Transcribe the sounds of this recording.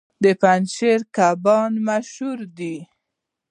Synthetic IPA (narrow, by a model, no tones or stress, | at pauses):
d̪əpanʃeɾkabɑnmaʃhuɾd̪i